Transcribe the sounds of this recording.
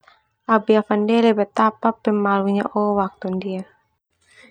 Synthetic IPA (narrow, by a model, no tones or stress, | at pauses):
ʔabiafandɛlɛbɛt̪apapɛmaluɲa̰ʔɔwak̚t̪undia